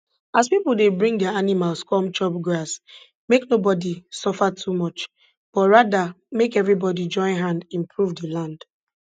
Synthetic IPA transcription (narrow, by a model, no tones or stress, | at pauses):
aspipl̩ˠdebɹĩŋdɛaanimalˠskɔ̃mt͡ʃɔbɡas | meknobɔdisɔfatʰumɔt͡ʃ | b̥ɔtɹada | mekɛvɹibɔdid͡ʒɔ̃ɪ̃nɦãndĩmpʰɹuvdəlãnd̥